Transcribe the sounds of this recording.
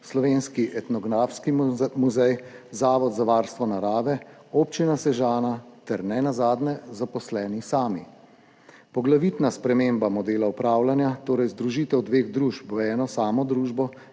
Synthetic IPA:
slɔʋeːnskiʔɛt̪nɔɡɾaːfskimuzɛjzaːʋɔd̪zaʋaːɾst̪ʋɔnaɾaːʋɛopt͡ʃinasɛʒaːnat̪ɛɾnɛnazaːd̪nɛzapɔslɛːnisaːmi | pɔɡlaʋit̪naspɾɛmeːmbamɔd̪eːlaupɾaːwlanjat̪oːɾɛjzd̪ɾuʒiːt̪ɛwd̪ʋeːɣd̪ɾuːʃpɛːnɔsaːmɔd̪ɾuːʒbɔ

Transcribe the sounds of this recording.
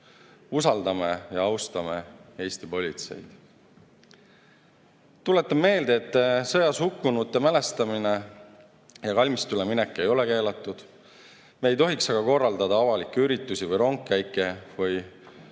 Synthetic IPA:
usɑld̪ɑme̞jɑɑwst̪ɑme̞e̞ːsʲt̪ipo̞lʲit̪se̞̰jd̪̥ | t̪ule̞t̪ːˑɑme̞ːld̪̥eːt̪ːsɤjɑshukːunut̪ːe̞mæle̞st̪ɑmine | jɑkɑlʲmist̪uleminekːˑe̞jo̞le̞ke̞ːlɑt̪ːˑud̪̥ | me̞ːjt̪o̞ɦiksɑɡ̥ɑko̞rːɑld̪ɑd̪ɑɑvɑlikːeyɾit̪ːˑusivɯjɾo̞ŋkːæjkːˑe̞vɯj

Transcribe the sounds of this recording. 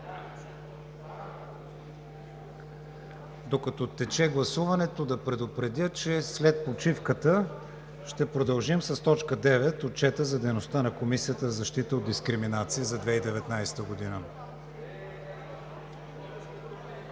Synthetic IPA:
d̪okɐt̪ɔt̪ɛt͡ʃɛɡlˠɐsuvɐnɛt̪od̪ɐpɾɛd̪opɾɛd̪ʲət͡ʃɛslɛt̪̚pot͡ʃifkət̪ə | ʃt̪ɛpɾod̪ɐlˠʒimsɐst̪ɔt͡ʃkəd̪ɛvɛt̪ot̪̚t͡ʃɛt̪əzɐd̪ɛjnost̪anɐkomisijət̪əzɐʃt̪it̪əod̪iskɾiminat̪siizɐd̪vɛid̪ɛvɛt̪najsɛ̥t̪əɡod̪inə

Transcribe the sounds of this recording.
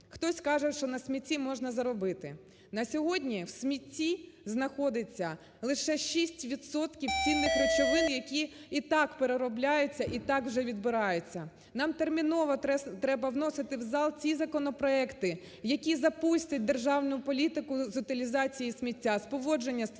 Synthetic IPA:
xt̪ɔsʲkɑʒɛʃt͡ʃɔnɐsʲmʲitʲːimɔʒnɐzɐɾɔbɪt̪ɪ | nɐsʲɔɦɔdʲnʲiwsʲmʲitʲːiznɐxɔd̪ɪt͡sʲːɐ | lˠɪʃɛʃisʲtʲʋʲid̪sɔt̪kʲiwt͡sʲinːɪxret͡ʃɔʋɪnjɐkʲiit̪ɑkpeɾeɾɔblʲajʊt͡sʲːɐʔit̪ɑkwʒɛʋʲid̪bɪɾɑjʊt͡sʲːɐ | nɑmt̪ermʲinɔʋɐɛt̪ɾɛbɐwnɔsɪt̪ɪwzɑlˠt͡sʲizɐkɔnɔpɾɔɛkt̪ɪ | jɐkʲizɐpusʲtʲɐt̚ʲd̪erʒɑwnʊʊpɔlʲit̪ɪkʊzʊt̪ɪlʲizɑt͡sʲijisʲmʲitʲːaspɔʋɔd͡ʒe̞nʲːɐs

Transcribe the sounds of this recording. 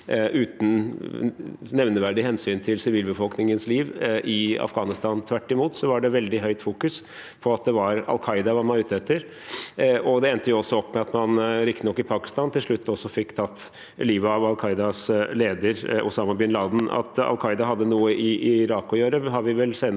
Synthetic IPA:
ʔʉːt̪n̩ | nɛʋnəʋæɖɪhɛnsyːnt̪ʰɪlsɪʋiːlbəfɔlknɪŋənsliːʋʔɪɑ̰fɡɑːnɪst̪ɑːnt̪ʰʋæʈːɪmuːt̪sɔʋɑɖɛʋɛld̪ɪɦœʏt̪fuːkʉs | pʰɔɑt̪̚d̪ɛʋɑɾɑ̰lkʰɑɪd̪ɑʋɑɾmɑʉːt̪ɛt̪ʰːəɾ | ʔɔd̪ɛɛnt̪əjʊɔsːɔɔpːmɛɑt̪mɑnɾɪkt̪ɪnɔkːɪpʰɑːkɪ̥st̪ɑːnt̪ʰɪlʂɭʉt̪ːɔsːɔfɪkːt̪ʰɑt̪ː | liːʋʋɑlkʰɑɪd̪ɑsleːd̪əɾʔʊ̰sɑːmɑbɪnlɑːd̪n̩ɑ̰t̪ɑ̰lkʰɑɪd̪ɑɦɑd̪ːənuːəʔɪʔɪɾɑːkːɔjøːɾəɦɑɾʋɪʋɛlseːn

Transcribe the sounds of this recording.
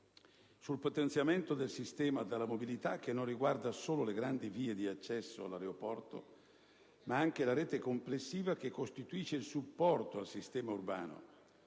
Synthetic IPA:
sulpot̪ent̪sjament̪od̪elsist̪ɛːmad̪alːamobilit̪ak̟ːenːonriɡward̪asoːloleɡɾand̪iviːed̪iat͡ʃːɛsːo̰a̰lːaɾeopɔrt̪o̰ | maaŋk̟elaɾɛːt̪ekomplesːiːvak̟ekːost̪it̪uiːʃeilsupːɔrt̪oalsist̪ɛːmaurba̰ːno̰

